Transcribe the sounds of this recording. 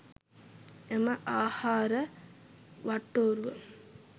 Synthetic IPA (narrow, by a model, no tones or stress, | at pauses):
emɐʔaːhaːɾə | ʋaʈːoːɾuʋə